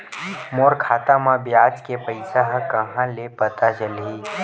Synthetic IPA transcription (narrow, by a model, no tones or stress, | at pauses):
moːɾkʰaːt̪amãbjaːd͡ʒkepəɪsaɦkɐɦãlepɐt̪at͡ʃəlɦiː